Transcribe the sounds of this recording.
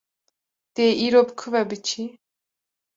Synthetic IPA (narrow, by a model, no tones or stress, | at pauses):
t̪eiːɾobɨkʰuvɛbɨt͡ʃʰi